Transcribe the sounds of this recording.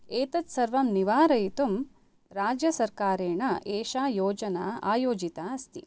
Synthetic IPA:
eːt̪ɐt̪sɐɾʋɐmniʋaːɾɐjit̪um | ɾaːd͡ʒjɐsɐɾkaːɾeːɳɐʔeːʃaːjoːd͡ʒɐnaa̰ːjoːd͡ʒit̪aɐst̪ḭ

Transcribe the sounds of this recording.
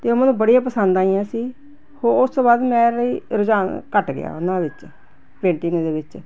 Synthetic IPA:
t̪eːomənũːbəɽijãːpəsənd̪ãːijãːsiː | hoːʊstoːbaːd̪mɛ̃ːləiːɾʊd͡ʒaːnkəʈɡɪ̰ja̰ːʊnãːʋɪt͡ʃ | pẽːɳʈɪŋɡd̪eːʋɪt͡ʃ

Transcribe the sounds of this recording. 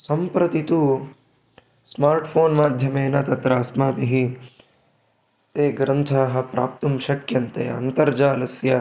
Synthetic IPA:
sɐmpɾɐt̪it̪u | smaːɾʈpʰoːnmaːd̪ʱjɐmeːnɐt̪ɐt̪ɾaːsmaːbiɦi | t̪eːɡɾɐnt̪ʰaːɦɐ̆pɾa̰ːp̚t̪umʃɐkjɐnt̪ḛːɐ̰nt̪ɐɾd͡ʒaːlɐsja

